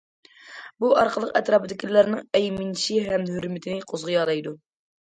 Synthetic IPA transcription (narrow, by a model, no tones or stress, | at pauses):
buʔɑɾqʰəlˠəqɛt̪ɾɑːpɨd̪ɪkʲilːæɾnɨŋɛjmɪnʃiɦɛmɦyɾmɪt̪ʰɪnɪqʰozʁʊjɑɾˠɑjd̪u